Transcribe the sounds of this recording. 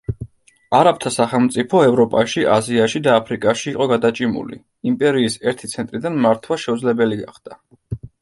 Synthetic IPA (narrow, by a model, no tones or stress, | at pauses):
aɾap̚t̪ʰasaχɛlˠmt̪sʼipʰɔɛvɾɔpʼaʃiʔaziaʃid̪aːpʰɾikʼaʃiːqʼɔɡad̪at͡ʃʼimṵlḭ | impʼɛɾiːsɛɾt̪ʰit̪sʰɛnt̪ʼɾid̪anmaɾt̪ʰwaʃɛud̪zlɛbɛliɡaχd̪̥a